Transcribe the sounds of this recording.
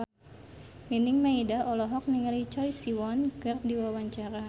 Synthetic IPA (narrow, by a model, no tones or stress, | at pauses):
minɪŋmaidaɔlɔɦɔk̚niŋlit͡ʃɔjsiwɔnkɨrdiwawaɲt͡ʃaɾa